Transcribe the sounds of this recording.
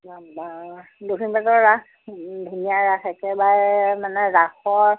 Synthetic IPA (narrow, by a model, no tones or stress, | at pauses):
babadukʰinbatɔɹɹak | bʱinijaɹaxʰɛkɛbaɹmanɛɹaxɔɹ